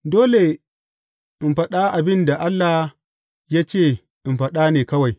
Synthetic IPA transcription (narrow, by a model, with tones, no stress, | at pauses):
doː˦le˨ | ʔɪ˨mɸɐ˦ɗa˦ʔa˨bɪ˦nda˨ʔa˦lːa˨ | jaː˦t͡ʃeː˦˨ | ʔɪ˨mɸɐ˦ɗa˦neː˨kɐ˦wa˨j